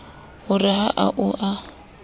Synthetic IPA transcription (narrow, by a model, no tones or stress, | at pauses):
ɣʊrɪɦaʔa̰ʔʊʔa